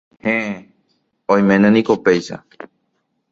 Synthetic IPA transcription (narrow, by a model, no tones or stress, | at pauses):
hẽʔe | õj̃mẽnẽnĩkopejʃa̰